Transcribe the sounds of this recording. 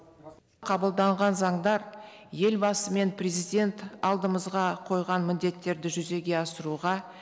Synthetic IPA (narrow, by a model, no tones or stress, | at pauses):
qʰɑbəlˠd̪ɑɴʁɑnzɑɴd̪ɑɾje̞lbɑsəme̞nprʲezijd̪ʲe̞nt̪ɑlˠd̪əməzʁɑqʰo̞jʁɑnmɪnd̪e̞t̪ːe̞ɾd̪ɪʒʏze̞ɡʲe̞ɑsəɾuʁɑ